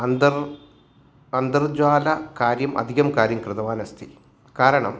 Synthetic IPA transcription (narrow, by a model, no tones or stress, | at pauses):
ɐnd̪ɐr | ɐnd̪ɐrd͡ʑwaːlɐkaːɾjɐmʔɐ̰d̪ʱiɣɐmkaːɾjɐmkrɨðɐʋaːnɐst̪ʰi | kaːɾɐɳɐ̰m